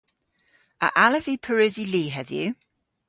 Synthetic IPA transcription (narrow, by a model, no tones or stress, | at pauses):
ə̰ʔaləvipʰəɹʉziliːɦɛðjʉ̰